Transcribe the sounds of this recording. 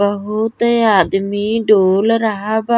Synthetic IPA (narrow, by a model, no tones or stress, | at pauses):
əɦut̪aːd̪miɖoːlɾəɦaba